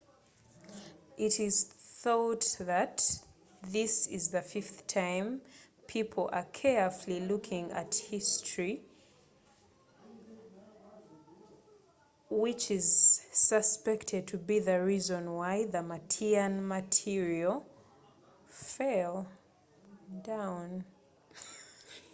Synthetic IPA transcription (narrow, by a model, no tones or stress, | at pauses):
ʔɪɾɪz̥θɔtðɨt | ðɪsɪzðɨfɪfθtʰãɪ̃m | pʰipʰl̩ˠəkʰɛɹflilukʰɪ̃ŋɨ̰thɪstɹ̥i | wɪt͡ʃɪzsəspɛktʰɨd̚tʰɨbiðɨɹizə̃nwaɪðəmətʰiɨ̃nmətʰɪɹiəl̩ˠ | fɛlˠ | dãʊ̃n